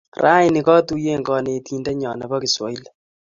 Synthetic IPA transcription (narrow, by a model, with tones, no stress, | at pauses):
raː˦jnɪ˨kɔ˦tu˦je˦ŋɡɔ˨ne˨ti˦ndɛ˦ɲɔ˨nɐ˨bɔ˦ki˨swɔ̰˨˦i˦l